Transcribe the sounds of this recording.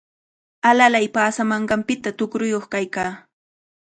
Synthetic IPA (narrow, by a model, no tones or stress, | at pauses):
alalajpaːsamɑɴɢɑmpɪt̪at̪ʊkɾʊjoχkajkaː